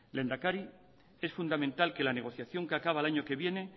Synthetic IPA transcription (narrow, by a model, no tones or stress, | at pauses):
le̞nd̪akaɾi | e̞sfund̪amẽnt̪alke̞lane̞ɣ̞o̞θjaθjo̞ŋkeakaβ̞alaɲo̞ke̞βje̞ne̞